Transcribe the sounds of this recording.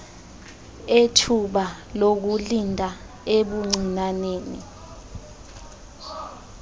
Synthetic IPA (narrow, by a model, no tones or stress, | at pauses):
etʰuɓalok̬ulindʱa | eɓuŋ͡ǀinaneːnḭ